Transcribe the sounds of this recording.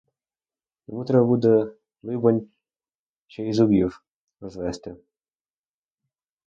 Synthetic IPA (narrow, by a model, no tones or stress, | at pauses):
j̪ɔmut̪ɾɛbɐbud̪ɛ | lˠɪbɐnʲ | ʃt͡ʃɔizʊbʲiw | ɾɔzʋɛst̪ɪ